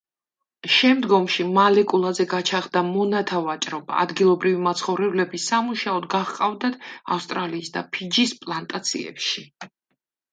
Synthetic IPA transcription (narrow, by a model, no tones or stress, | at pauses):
ʃɛmd̪ɡɔmʃimalɛkʼulˠazɛɡat͡ʃʰaʁd̪amɔnat̪ʰavat͡ʃʼɾɔba̰ːd̪ɡilˠɔbɾivimat̪sʰχɔvɾɛblɛbisamuʃaɔd̪ɡaχqʼavd̪ad̪a̰fst̪ʼɾaliːsd̪a̰pʰid͡ʒispʼlˠant̪ʼat̪sʰḭɛ̰pʃi